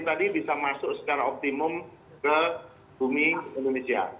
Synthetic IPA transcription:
t̪adibisamasʊʔsə̥t͡ʃaɾaɔk̚t̪imʊm | kə | bumiindonesia̰

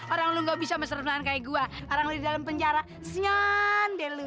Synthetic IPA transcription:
oɾaŋluŋɡabisaməsəɾəfaankajaɡuaoɾaŋludidalampəɲt͡ʃaɾa | sɲɔndɛlu

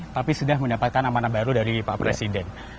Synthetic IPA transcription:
t̪apisudahməndapat̪̚kanamanabaɾudaɾipapɾesidɛn

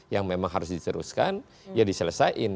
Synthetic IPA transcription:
jaŋmemaŋɦaɾʊs̬dit̪əɾṵskan | jadisələsaʔɪn

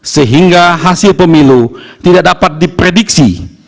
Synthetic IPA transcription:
səɦiŋɡaɦasɪlpəmilut̪idaʔ̚dapat̪̚dipɾediksi

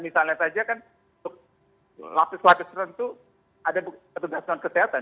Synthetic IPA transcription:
misalɲasad͡ʒakan | unt̪ʊk̚ | la̰pɪslapɪsɾənt̪u | adabpət̪uɡasan̚kəseɦat̪an

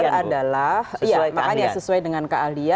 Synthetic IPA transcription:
adalahjamakaɲasəsuajdəŋankaalia

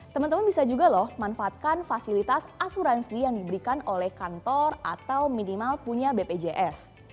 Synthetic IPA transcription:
t̪əmənt̪əmanbisad͡ʒuɡalɔhmanfaat̪̚kanfasilit̪asasuɾansijaŋdibəɾikanolɛhkant̪ɔrat̪awminimalpuɲabeped͡ʒeʔɛs

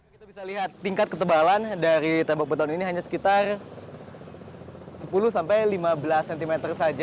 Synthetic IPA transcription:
kit̪abisaliɦat̪ːiŋkat̪̚kət̪əbalandaɾit̪ebak̚bət̪auniniɦaɲasə̥kit̪ar | səpuluhsampajlimabəlasːɛnt̪imet̪ərsad͡ʒ

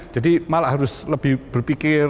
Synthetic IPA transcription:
d͡ʒ̥adimalaʔɦaɾʊsləb̥ɪhb̥ərpikɪr

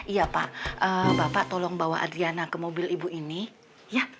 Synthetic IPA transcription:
ijapa̰ʔʔəbapaʔt̪ɔlɔŋbawaʔa̰dɾianakəmobɪlibuʔini | ja

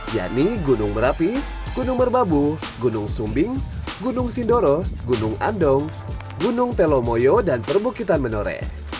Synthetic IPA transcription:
ja̰ʔniɡunʊŋməɾapi | ɡ̥unʊŋbərbabu | ɡunʊŋsumbɪŋɡunʊŋsindoɾɔɡunʊŋa̰ndɔŋ | ɡunʊŋt̪elomojodanpərbukit̪anmənoɾɛ̰

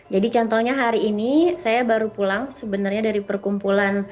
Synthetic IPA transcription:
d͡ʒadit͡ʃɔnt̪ɔɲaɦaɾiːnisajabaɾupulaŋsəbənarɲadaɾipərkumpulan

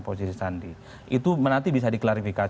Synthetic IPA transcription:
posisisandi | ʔit̪umənant̪ibis̬adiklaɾifika

